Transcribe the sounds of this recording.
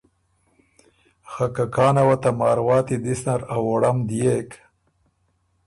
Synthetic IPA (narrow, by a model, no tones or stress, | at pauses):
xakakɑːnawat̪amɑːɾwɑːt̪id̪isnaɾawoɽamd̪ijek